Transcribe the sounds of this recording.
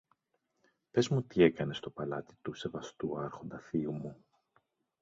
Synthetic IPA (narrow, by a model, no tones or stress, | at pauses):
pe̞zmut̪ie̞kɐne̞st̪o̞pɐlɐt̪i̥t̪use̞vɐst̪uɐɾxond̪ɐθiumu